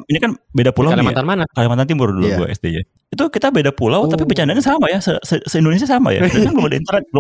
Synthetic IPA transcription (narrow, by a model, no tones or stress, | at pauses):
inikanbedapulawalmat̪anmanakalimant̪ant̪̬imbʊrdula̰ua̰ʔɛ̰st̪iɲa̰ | it̪ukit̪abedapulawt̪apibət͡ʃandaɲasamajasəsəsəindones̬iasama̰ja̰daanbəumadaḭnt̪ərnɛt̪̚l